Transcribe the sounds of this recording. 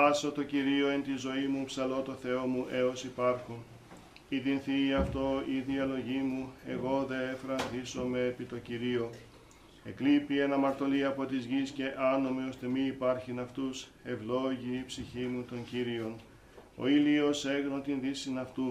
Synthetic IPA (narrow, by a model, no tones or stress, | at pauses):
ɐso̞t̪o̞ciɾio̞e̞nt̪izo̞imupsɐlo̞t̪o̞θe̞o̞muʔe̞o̞sipɐɾxo | iðinθiɐft̪o̞iðiɐlo̞ʝimue̞ɣo̞ðe̞efɾɐnðiso̞me̞ːpit̪o̞ciɾio̞ | e̞klipie̞nɐmɐɾt̪o̞liɐpo̞t̪izʝisce̞ʔɐno̞mio̞st̪e̞miipɐɾçinɐft̪use̞vlo̞ʝiːpsiçimut̪o̞ɲciɾio̞n | o̞̰ilio̞se̞ɣno̞t̪inðisinɐft̪u